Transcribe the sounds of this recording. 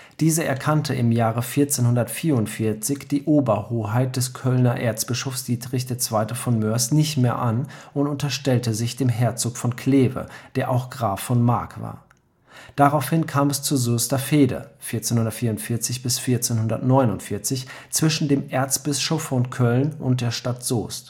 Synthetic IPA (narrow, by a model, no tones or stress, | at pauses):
d̥iːzəʔɛ̰ɐkʰantʰəʔɪmjaːʁəfiːɐt͡seːnhʊndɐtfiːɐʊntfɪɐt͡sɪçd̥iːʔoːbɐhoːɦaɪt̚d̥ɛskʰœlnɐʔḛːɐt͡sb̥ɪʃofsd̥iːdʁɪçd̥eːɐt͡sv̥aɪtəfɔnmœɐsnɪçtmeːɐʔanʔʊntʊntɐʃtɛltəzɪçd̥eːmɦɛɐt͡soːkfɔnkʰl̥eːvə̰d̥eːɐʔaʊxɡ̥ʁaːfɔnma̰ɐkv̥a̰ːɐ | d̥aʁaʊfhɪnkʰaːmɛst͡suzoːstɐfeːdə̰fɪɐt͡seːnhʊndɐtfiːɐʊntfɪɐt͡sɪçb̥ɪsfiːɐt͡seːnhʊndɐ̰tnɔʏnʊntfɪɐt͡sɪçt͡sv̥ɪʃn̩deːmʔeɐt͡sb̥ɪʃɔfɔnkʰœlnʔʊnt̚d̥eːɐʃtatz̥o̰ːst